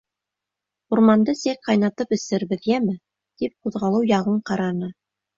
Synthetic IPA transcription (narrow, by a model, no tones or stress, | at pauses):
uɾmɑnd̪ɤsik̚qɑjnɑt̪ɤpɵ̆sɘ̆ɾβɘðjæmɘ | t̪ip̚quðʁɑlˠɤwjɑʁɤɴqɑɾɑnɤ